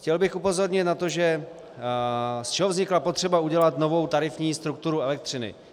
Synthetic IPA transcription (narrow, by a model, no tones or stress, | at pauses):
xcɛlbɪxupo̞zo̞ɾɲɪt̪nat̪o̞ʒɛ | st͡ʃɛɦovzɲɪklapo̞t̪r̝̥ɛbauɟɛlat̪no̞vo̞wt̪aɾɪfɲiːst̪ɾuk̚t̪uɾuɛlɛk̚t̪r̝̥ɪnɪ̰